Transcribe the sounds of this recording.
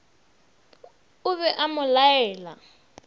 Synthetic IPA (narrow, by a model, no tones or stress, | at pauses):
ʊβɛʔamʊlajɛːla̰